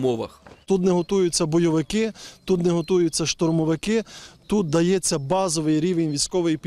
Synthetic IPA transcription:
mɔʋɐ̰xt̪ut̪nɛɦɔt̪ujʊt͡sʲːɐbɔjɔʋɪkɪt̪ut̪nɛɦɔt̪ujʊt͡sʲːɐʃt̪ɔrmɔʋɪkɪt̪ut̪̚d̪ɐjɛt͡sʲːɐbɑzɔʋɪjɾʲiʋenʲʋʲisʲkɔʋɪjipʲ

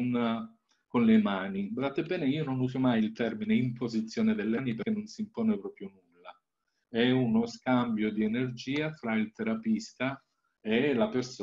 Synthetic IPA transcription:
n | konlemaːnibɾat̪ːebːɛːneiːononuːzomajilt̪ɛrmineimpozit̪sːjoːned̪elːanipekːenːonsimpɔːnepɾɔːpɾjonulːa | ɛunoskambjod̪ienerd͡ʒiːafɾailt̪eɾapist̪a | elapers

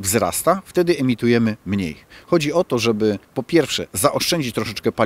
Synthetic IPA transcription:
vzɾa̰st̪aft̪ɛd̪ɘɛmʲit̪ujɛmɘmɲḛjxɔd͡ʑiɔt̪ɔʐɛbɘpɔpʲjɛɾfʂɛzaʔɔʂt͡ʂɛɲd͡ʑit͡ɕt̪ɾɔʂɛt͡ʂkɛpa

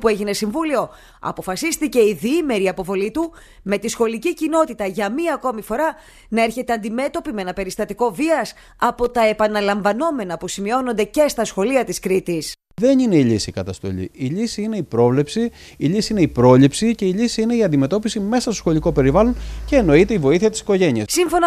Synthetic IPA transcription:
pue̞ʝine̞siɱvulio̞ | ɐ̰po̞fɐsist̪ice̞iðiime̞ɾiɐpo̞vo̞lit̪u | me̞t̪isxo̞licicino̞t̪it̪ɐʝɐmiɐːko̞mifo̞ɾɐ | nɐe̞ɾçe̞t̪eɐnd̪ime̞t̪o̞pimenɐpe̞ɾist̪ɐt̪iko̞viɐs | ɐpo̞t̪ɐe̞pɐnɐlɐɱvɐno̞me̞nɐpusimio̞no̞nd̪e̞ce̞st̪ɐsxo̞liɐt̪iskɾit̪is | ðe̞nine̞iʎisikɐt̪ɐst̪o̞̰ʎḭiʎisiine̞ipɾo̞vle̞psiiʎisiine̞ipɾo̞ʎipsice̞iʎisiine̞iɐnd̪ime̞t̪o̞pisime̞sɐst̪oxo̞liko̞pe̞ɾivɐlo̞nce̞ːno̞it̪e̞ivo̞iθiɐt̪isi̥ko̞ʝe̞niɐssiɱfo̞nɐ

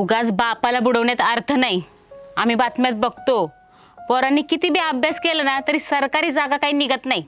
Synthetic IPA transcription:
uɡat͡sbapalabuɽəʋɳjat̪əɾt̪ʰənai | am̤iːbat̪mjat̪̚bəɡ̚ʱt̪o | fɔɾanːiːkit̪iːbiəbʱjaskelənat̪əɾiːsəɾkaɾiːd͡zaɡakaɦiːniɡət̪nai

